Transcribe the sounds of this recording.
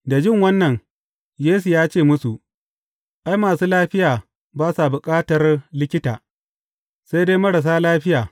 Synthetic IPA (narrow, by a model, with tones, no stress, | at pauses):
da˨d͡ʒɪ˦ŋwɐ˦nːɐ˨n | jeː˦s̬u˨jaː˦t͡ʃeː˦˨mʊ˦su˨ʔ | ʔa˦jmaː˨suː˦laː˦ɸɪ˦jaː˨ | baː˦sa˨bʊ˨kʼaː˦tɐ˨rlɪ˦kʲɪ˦taː˨ | sa˦jdeː˦jmɐ˦ɽa˨s̬aː˦laː˦ɸɪ˦jaː˨